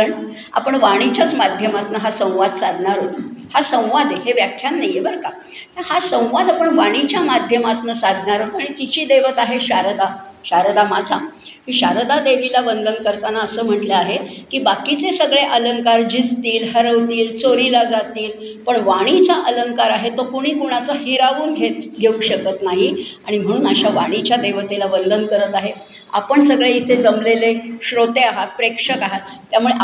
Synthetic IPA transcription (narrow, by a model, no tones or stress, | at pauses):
əɳ | a̰pəɳʋaɽ̃it͡ɕat͡smad̪ʱjəmat̪nəɦasə̃w̃ʋad̪sad̪ʱɳaɾɦot̪hasə̃w̃ʋad̪eɦeʋjakʰjanːajebəɾka | t̪ahasə̃w̃ʋad̪apəɳʋaɽ̃it͡ɕjamad̪ʱjəmat̪nəsad̪ʱɳaɾɦot̪aɽ̃it̪it͡ɕiːd̪eʋət̪aɦeɕaɾd̪a | ɕaɾd̪amat̪ʰa | kiːɕaɾd̪ad̪eʋilabənd̪ʱənkəɾt̪anaəsəːm̤əʈləaɦekiːbakit͡sesəɡɭeʔələŋkaɾd͡ʑid͡zt̪iːlɦəɾəʋt̪iːlt͡soɾilad͡zat̪iːl | pəɳʋaɽ̃it͡saʔələŋkaɾaɦet̪okuɽ̃iːkuɽ̃at͡sahiɾaʋuːnɡʱet̪ɡʱeuɕəkət̪naɦiaɽ̃im̤əɽ̃uːnəɕaʋaɽ̃it͡ɕjad̪eʋət̪elabənd̪ʱənkəɾət̪aɦe | a̰pəɳsəɡɭeit̪ʰed͡zəmleleɕɾot̪eaɦat̪̚pɾekʂəkaɦat̪ːjamuɭe